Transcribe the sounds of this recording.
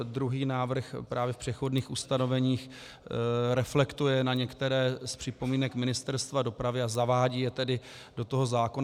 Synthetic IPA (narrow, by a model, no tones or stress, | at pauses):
d̪ɾuɦiːnaːvr̩xpɾʔaːvjɛfpr̥ɛxodniːxust̪ano̞vɛɲiːx | ɾɛflɛkt̪ujɛnaɲɛkt̪ɛɾɛːspr̝̥ɪpo̞miːnɛkmɪnɪst̪ɛɾst̪vado̞pɾavɪazavaːɟiːjɛt̪ɛdɪ | d̥o̞t̪oɦo̞zaːkon